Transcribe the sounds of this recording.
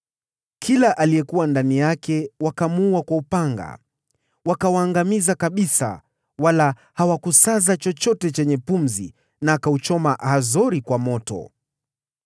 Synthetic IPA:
kʰilaʔaliɛkuwandanijakɛwakamuuwakwaupaŋɡa̰ | wakawaːŋɡamizakaɓisa̰ | wala | hawakusazat͡ʃɔt͡ʃɔtɛt͡ʃɛɲɛpum̩zḭ | naːkaut͡ʃɔmahazɔɾikwamɔtɔ̰

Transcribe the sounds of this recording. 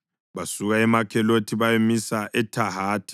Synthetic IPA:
βasuɣaɛmakʰɛlotʰiβajomisaʔɛtʰahaːtʰi̥

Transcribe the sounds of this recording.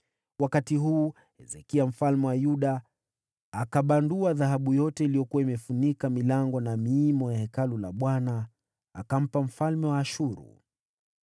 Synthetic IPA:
wakatiɦuː | hɛzɛkiam̩falmɛwajuɗaː | kaɓanduaðaɦaɓujɔtɛilijɔkuwaimɛfunikamilaŋɡɔnamiːmɔjahɛkalula̰ɓwana | akam̩pam̩falmɛwaːʃuɾṵ

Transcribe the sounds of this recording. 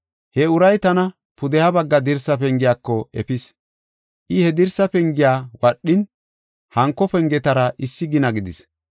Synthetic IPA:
hɛʊɾɐjt̪ɐnɐ | pʊd̪ɛhɐbɐɡːɐd̪ɪɾsɐpɛŋɡɪjaːkːɔɛpɪs | ʔɪhɛd̪ɪɾsɐpɛŋɡɪjaːwɐɗːɪn | hɐŋkːɔpɛŋɡɛt̪ɐɾɐʔɪsːɪɡɪnɐɡɪd̪ɪs

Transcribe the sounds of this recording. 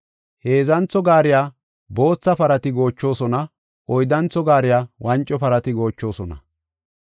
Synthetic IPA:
he̞ːzɐnt͡sɔɡaːɾɪjaː | bo̞ːt͡sːɐpɐɾɐt̪ɪɡo̞ːt͡ʃːo̞ːsɔnɐ | ɔjd̪ɐnt͡sːɔɡaːɾɪjaːwɐnt͡ʃʼːɔpɐɾɐt̪ɪɡo̞ːt͡ʃːo̞ːsɔnɐ̰

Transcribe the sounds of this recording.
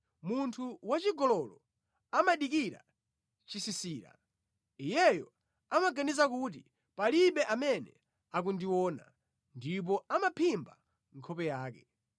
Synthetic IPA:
muntʰuwat͡ʃiɡɔlɔlɔ | amaɗikiɾa̰ | t͡ʃisisiːɾa̰ | ijɛjɔ | amaɡanizakut̬i | paliɓɛʔamɛnɛ̰ | ak̬undiwɔːna̰ | ndip̬ɔamapʰimba | ŋkʰɔpɛjaːkɛ

